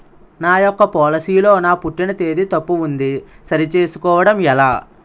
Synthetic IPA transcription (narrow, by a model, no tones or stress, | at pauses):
naːjɔkːɐpɔːlɐsiːlo̞ːnaːpuʈːinɐt̪e̞ːd̪it̪ɐpːuund̪isɐɾit͡ʃe̞ːsu̥kɔːʋɐɽɐmɛlaː